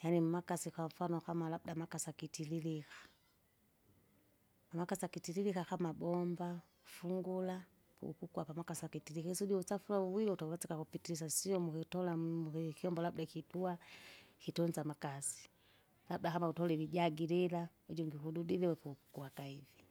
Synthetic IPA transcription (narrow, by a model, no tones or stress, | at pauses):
janim̩makasikwaɱ̩fanɔkamalab̚udamakasakitililikḁ | pamakasakitililikakamabɔmba | fuŋɡula | pṵṵkukuapamakasakitilikaisudiusafulauwiliutauwɛsɛkakupitilis̬asiɔmukitɔlaukiɔmbɔlabudakituakitɔnzamakasi̥ | lab̚udakamautɔlɛliɟaɡilila | ud͡ʒɔŋɡiɦududilɛwɛpuuku̥kuakaivi